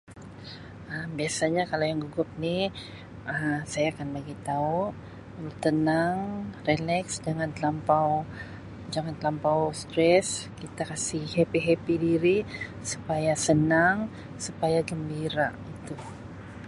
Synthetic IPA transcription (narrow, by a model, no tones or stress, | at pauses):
ʔəmbiasaɲakalawjaŋɡuɡʊp̚ni | ʔəsajaːkanbaɡit̪au | əlut̪ənaŋrelɛksd͡ʒaŋant̪lampaw | d͡ʒaŋant̪lampawst̪ɾɛskit̪akasihhepiɦepidiɾi | su̥pajasənaŋ | supajaɡəmbiɾa̰it̪u